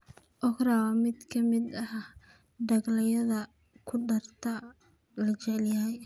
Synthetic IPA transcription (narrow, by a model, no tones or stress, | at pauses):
ʔɔkrawɐmɪd̪kʰɐmɪd̪ɐh | ɖ̪ɐɡlɐjɐðɐ | kʰʊɖɐrt̪ʰɐ | lɐt͡ʃɛʕɛljɐɦɛj